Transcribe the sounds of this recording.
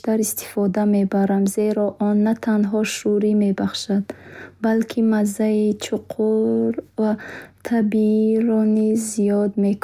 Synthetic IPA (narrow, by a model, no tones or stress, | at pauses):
t̪aɾist̪ʰi̥fɔd̪ame̞baɾamze̞ɾɔʔɔnːat̪ʰanɦɔʃuɾime̞baχʃad̪̥balkʰimazːait͡ʃʰuqʰuɾvat̪ʰabiiɾɔnizːijɔd̪mekʰ